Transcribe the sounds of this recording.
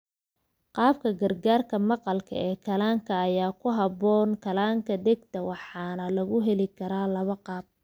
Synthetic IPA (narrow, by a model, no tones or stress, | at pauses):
qɑːb̚kʰɐɡɐrɡaːrkʰɐmɑqɑlkʰɐ̰ɛːkʰɐlaːŋkʰɐːjaːkʰʊɦɑbɔːŋkʰɐlaːŋkʰɐd̪ɛɡt̪ʰɐwɑħɑːnɐlɐɣʊɦɛlɪkʰɐɾaːlɐβɐqɑːb̚